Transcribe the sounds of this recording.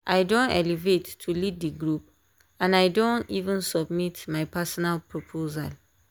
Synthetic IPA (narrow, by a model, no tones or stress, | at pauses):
ʔajdõnɛ̰livetʰːuliddiɡɹup | ãnajdõntivə̃nsɔbmitmajpʰasɔnalpʰɹopʰoza̰l